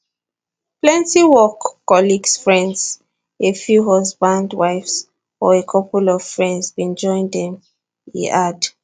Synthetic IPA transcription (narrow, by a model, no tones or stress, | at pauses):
plɛ̃ntiwɔkːɔliɡsfɹɛ̃ndz̥ | efjuɦɔsbãndwaɪfs | ɔekʰɔpulɔv̥fɹɛ̃ndzbĩnd͡ʒɔ̃ɪ̃ndɛ̃m | ḛʔad